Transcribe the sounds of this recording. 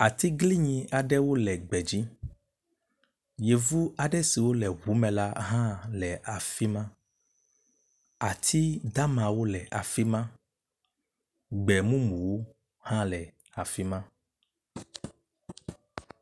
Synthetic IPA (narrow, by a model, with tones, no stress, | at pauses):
a˨t̪i˦ɡli˦ɲĩ˨a˨ɖɛ˦wo˦lɛ˨ɡ͡bɛ˨d͡ʑi˦ | je˨vu˦a˨ɖɛ˦si˨wo˦lɛ˨ɦu˨˦mɛ̃˨la˦ɦã˦lɛ˨a˨fi˦mã˦ | a˨t̪ʰi˦d̪a˦mã˨wo˦lɛ˨ʔa˨fi˦mã˦ | ɡ͡bɛ˨mũ˦mũ˨wo˦ | hã˦lɛ˨ | a˨fi˦mã˦